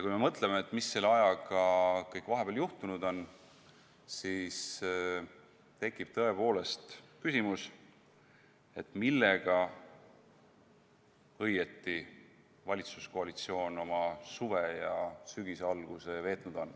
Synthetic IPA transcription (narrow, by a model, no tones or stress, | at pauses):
jɑkujme̞mɤt̪ˑle̞meːt̪ːˑmisːelɑjɑɡɑkɤjkːˑvɑɦe̞b̥eljuht̪unud̪o̞n | siːs | t̪e̞kːˑib̥̚t̪ɤe̞po̞ːle̞st̪kysimus | e̞t̪ːˑmilːeɡ̥ɑ | ɤje̞t̪ːˑi | vɑlʲit̪su̥skoɑlit̪sio̞ːno̞mɑsuve̞jɑsyɡ̥iseɑlɡ̥use̞ve̞ːt̪nud̪̥o̞n